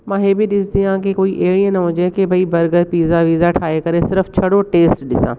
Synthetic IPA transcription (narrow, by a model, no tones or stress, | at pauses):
mãːɦeːbʱiɗɪsd̪iãːkekoːiʔeːɭiẽnɐɦõːd͡ʒẽkebʱɐibɐɾɡəɾpiːzaʋiːzaʈʰaːekɐɾesɪɾəft͡ʃʰɐɽoʈeːsʈɗɪsã̰ː